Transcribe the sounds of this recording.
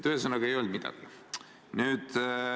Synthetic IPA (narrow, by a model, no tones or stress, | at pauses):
t̪ːyɦesənːɑɡ̥ɑe̞jo̞ld̪mid̪̥ɑ̰ɡ̥i | nyːd̪̥